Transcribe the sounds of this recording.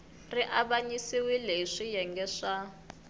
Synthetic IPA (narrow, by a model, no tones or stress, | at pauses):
riʔaβaɲisiwileʂijɛŋɡɛʂa